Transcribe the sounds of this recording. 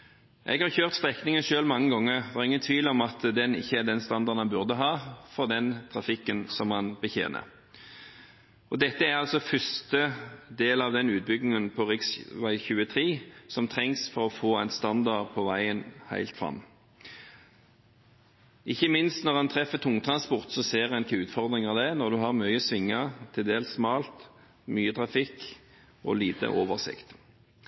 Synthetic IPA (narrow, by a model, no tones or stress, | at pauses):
ʔɛ̰ɡhɑʁçøːʁt̪st̪ʁɛknɪŋənʃøːlmɑŋːəɡɔŋːəʁʋɑːʁɪŋːənt̪ʰʋiːlɔmɑt̪d̪ɛnɪ̰çːəæd̪ɛnst̪ɑnd̪ɑʁd̪nhɑnbʉʁd̪əɦɑːfɔʁd̪ɛnt̪ʰʁɑfɪkːənsɔmhɑnbəçḛːnə̰ | ʔɔd̪ɛt̪ːəæʁɑlsɔfʏst̪əd̪eːlɑʋd̪ɛnʉːt̪̚bʏɡnɪŋənpʰɔʁɪksʋæɪçʉːət̪ʰʁiːsɔmt̪ʰʁɛŋsfɔʁɔfoːæɪnst̪ɑnd̪ɑʁd̪̚pʰɔʋæɪənhæ̰ɪlt̪fʁɑ̰mː | ɪçːəmɪnst̪nɔʁɑnt̪ʰʁɛfət̪ʰʊŋt̪ʰʁɑnspɔʁt̪sɔseːʁænkʰəʉːt̪fɔʁd̪ʁɪŋɑʋd̪ɛnɔʁd̪ʉɦɑʁmœʏəsʋɪŋːət̪ʰɪld̪eːlsmɑːlt̪ | myːət̪ʰʁɑfɪk | ɔ̰liːt̪ə̰ʔoːʋəʁsɪ̰kt̪